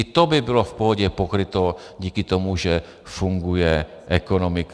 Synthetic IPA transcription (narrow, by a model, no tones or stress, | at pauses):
t̪ɔbibilɔfpɔɦɔɟɛpɔkɾit̪ɔ | ɟiːkit̪ɔmuʒɛ | fuŋɡujɛ | ʔɛkɔnɔmik